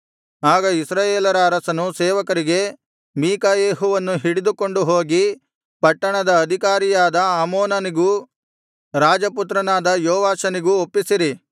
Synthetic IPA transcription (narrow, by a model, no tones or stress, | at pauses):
aːɡɐisɾaːjeːlɐɾɐːɾɐsɐnusɛːʋɐkɐɾiɡe̞ | miːkɐjeːɦuʋɐnːuɦiɽid̪uko̞ɳɖuɦoːɡi | pɐʈːɐɳɐd̪ɐːd̪ʱikaːɾijaːd̪ɐaːmoːnɐniɡu | ɾaːd͡ʒɐput̪ɾɐnaːd̪ɐjɔːʋaːʃɐniɡuopːisiɾi